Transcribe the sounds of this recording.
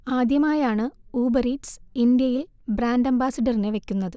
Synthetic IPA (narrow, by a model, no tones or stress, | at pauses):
aːd̪jɐmaːjaːɳɨuːbɐriʈsind̪jɐjil | bɾaːndɐmbaːsɐɖɐrineʋe̞kʲːunːɐðɨ